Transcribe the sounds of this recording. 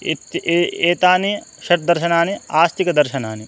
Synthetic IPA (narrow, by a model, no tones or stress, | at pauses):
t̪eːt̪aːni | ʃɐʈ̚d̪ɐɾʃɐnaːniaːst̪ikɐd̪ɐɾʃɐnaːni